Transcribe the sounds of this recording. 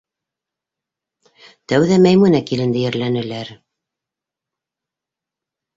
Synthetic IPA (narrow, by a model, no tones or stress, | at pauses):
t̪æwðæmæjmunækilɘ̆nd̪ɘjɘ̆ɾlænɘ̆læɾ